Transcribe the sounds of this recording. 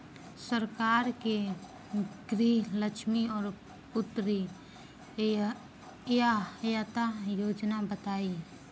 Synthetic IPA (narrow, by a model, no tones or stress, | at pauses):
səɾkaːɾke | ɡɾiləkʃmiɔːɾ | pʊt̪ːɾi | jajat̪ajoːd͡ʒnabət̪aːi